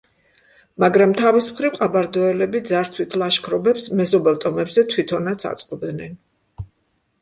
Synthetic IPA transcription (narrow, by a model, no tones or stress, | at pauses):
maɡɾamt̪ʰavismχɾivqʼabaɾd̪ɔɛlɛbid̪zaɾt̪sʰwit̪ʰlˠaʃkʰɾɔbɛpsmɛzɔbɛlˠt̪ʼɔmɛbzɛt̪ʰwit̪ʰɔnat̪sʰa̰t̪sʼqʼɔbd̪nɛn